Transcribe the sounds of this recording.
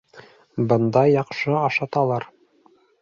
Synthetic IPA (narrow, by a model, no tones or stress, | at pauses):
bɤ̆nd̪ɑjɑqʃɤɑʃɑt̪ɑlˠɑɾ